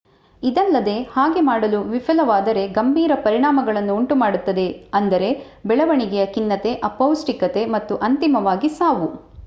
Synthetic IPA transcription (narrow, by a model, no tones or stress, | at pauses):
id̪ɐlːɐd̪e̞haːɡe̞maːɽɐluʋipʰɐlɐʋaːd̪ɐɾe̞ɡɐmbʱiːɾɐpɐɾiɳaːmɐɡɐɭɐnːuːɳʈumaːɽut̪ːɐd̪e̞ɐnd̪ɐɾe̞ | bɛɭɐʋɐɳiɡɛjɐkinːɐt̪e̞ʔɐpɐwsʈikɐt̪e̞mɐt̪ːuʔɐnt̪imɐʋaːɡisaːʋu